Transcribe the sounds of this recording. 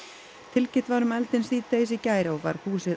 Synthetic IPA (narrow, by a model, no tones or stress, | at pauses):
t̪ʰɪlcɪt̪vaɾʏmɛlt̪ɪnsθiːt̪ejsicaːjɾawva̰ɾ̥huːsɪð